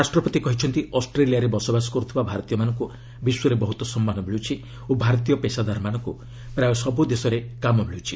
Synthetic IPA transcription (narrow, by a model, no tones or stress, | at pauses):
ɾasʈɾɔpɔt̪ikɔɦit͡ʃʰɔnt̪iɔsʈɾelijaɾebɔsɔbasɔ̥kɔɔt̪ʰibabʱaɾɔt̪ijɔmanɔŋku | biswɔɾebɔɦut̪ɔsɔmːanɔbʱeɭut͡ʃʰi | obʱaɾɔt̪ijɔpesad̪ʱaɾɔmanɔŋku | pɾajɔsɔbud̪esɔɾekamɔbʱeɭuwt͡ʃʰi